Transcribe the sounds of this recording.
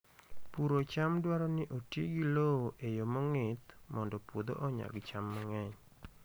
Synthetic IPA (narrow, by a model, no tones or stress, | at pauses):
puɾot͡ʃamdwaɾɔnɪʔotjeɡilooʔejomɔŋɪt̪mɔndɔpwod̪o̰ʔɔɲa̰ɡt͡ʃamːɔŋɛɲ